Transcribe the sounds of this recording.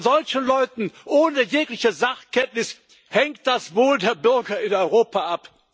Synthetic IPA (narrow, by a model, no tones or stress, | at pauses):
zɔlçn̩lɔʏtn̩ʔoːnəjeːklɪçəzaχkɛntnɪs | hɛŋkt̚d̥asvoːldeːɐbʏɐɡɐɪnɔʏʁoːpaʔap